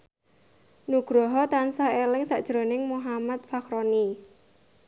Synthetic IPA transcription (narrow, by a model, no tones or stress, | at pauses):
nuɡ̥ɾɔɦɔt̪ansaelɪŋsaʔd̥ʒ̥ɾo̤nɪŋmuɦamat̪̚fakɾoni